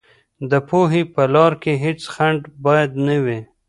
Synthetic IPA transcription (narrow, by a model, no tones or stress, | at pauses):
d̪əpoɦipəlɑɾkeɦet͡sxaɳɖbɑjad̪nawi